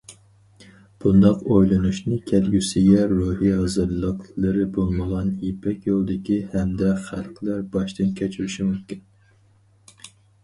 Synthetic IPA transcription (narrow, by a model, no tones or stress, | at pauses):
b̥und̪ɑqojlˠɨnuʃnɨkʲʰɛlɡʲysɪɡʲɛɾuhiɦɑzɨɾlˠəqlˠɨɾɨbolˠməʁɑnjipʰɛkʲjolˠd̪ɪkʲihɛmd̪ɛχælˠqlæɾbɑʃt̪ʰɨnkʲʰɛt͡ʃʰyɾyʃimymkʲin